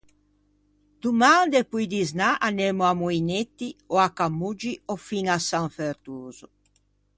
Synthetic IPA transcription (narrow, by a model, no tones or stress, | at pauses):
d̪̥umand̪epujd̪iznaʔanemuamuinet̪ːiɔakamːud͡ʒiɔfiŋasaŋfeɾt̪uːzu